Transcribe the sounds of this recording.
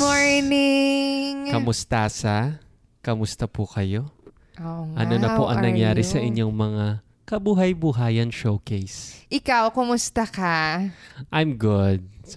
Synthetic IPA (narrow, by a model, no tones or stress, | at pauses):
oɹnɪŋkɐmʊst̪asɐ | kɐmʊst̪ɐpʊkɐjo̞ | oŋʔɐ̰nonɐpoʔɐ̰ŋnɐŋjaːɾɪsɐʔɪɲːo̞ŋmɐŋa | kɐbuːɦɐjbʊɦaːjɐnʃowkejsʔɪkawkʊmʊst̪ɐkɐ | ʔajmɡʊd̪̚